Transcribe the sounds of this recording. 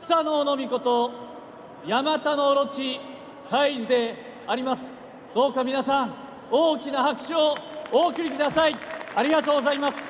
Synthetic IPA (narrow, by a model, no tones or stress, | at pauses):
st̪anoːno̞mʲiko̞t̪o̞ | jamat̪ano̞ɾo̞t͡ɕi | haiʑid̪e̞ | aɾʲimasɨ̥ | d̪̥o̞ːkamʲinasãɴ | oːkʲinahakɯ̟̥ɕiooːkɯ̟ɾʲikɯ̟d̪asaiaɾʲiɡat̪o̞ːɡo̞zaimasɨ̥